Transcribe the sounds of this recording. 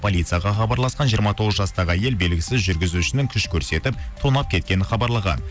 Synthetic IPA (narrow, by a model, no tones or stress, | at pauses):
pʰo̞lʲit̪sɨjɑʁɑχɑbɑɾlˠɑsqɑnʒijəɾmɑt̪ʰo̞ʁəzʒɑst̪ɑʁəæje̞lbe̞lɡʲɪsɪzʒʏɾɡʲɪzuɪʃɪnɪŋkʲʰʏʃkʲʰɵɾse̞t̪ɪpt̪ʰonɑp̚kʲʰe̞t̪kʲe̞nɪχɑbɑɾlˠɑʁɑ̰n